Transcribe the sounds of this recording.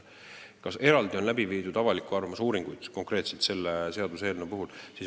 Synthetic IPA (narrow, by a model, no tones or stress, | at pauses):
kɑse̞ɾɑld̪̥io̞nlæbiviːd̪ud̪ɑvɑlikˑuɑrvɑmusuːɾiŋɡ̥ujd̪̥ko̞ŋkˑre̞ːt̪set̪se̞lːese̞ɑd̪use̞ːlnopuɦulsiːs